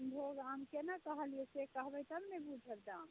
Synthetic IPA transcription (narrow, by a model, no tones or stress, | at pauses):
nb̪ʱoɡamkenakəɦəlijɛsekəɦbəjt̪əmnebud͡ʒʱəld̪am